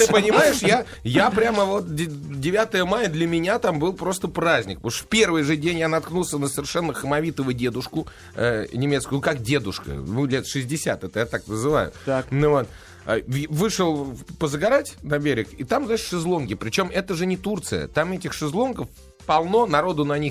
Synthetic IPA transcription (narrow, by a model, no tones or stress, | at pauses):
t̪ɨpənʲɪmajɪʂja | japɾʲaməvo̞t̪̚ʲdʲɪvʲat̪əjəmajəd̪lʲəmʲɪnʲat̪ambɨlˠpɾo̞s̬t̪əpɾazʲnʲɪkp̪uʂə̥fpʲe̞rvɨjʐɨdʲenʲjanɐt̪knulˠsʲənəsəɪrʂɛnːəxəmɐvʲit̪əvʊjdʲe̞d̪ʊʂkʊ | ənʲɪmʲe̞t̪skʊjʊkak̚dʲe̞d̪ʊʂkə̰nulʲet̪ʂɨzʲdʲɪsʲa̰t̪ɛt̪əjat̪aknəzɨva̰jʊ̰vo̞t̪̚ | vɨʂɨlˠpəzəɡɐɾatʲnɐbʲeɾʲɪkit̪amznaɪʂʂɨzlˠo̞nɡʲɪpɾʲɪt͡ɕo̞mɛt̪əʐɨnʲɪt̪urt̪sɨjə̰t̪amɛtʲɪxʂɨzlˠonɡəf | pɐlˠno̞nɐɾo̞d̪ʊnɐnʲix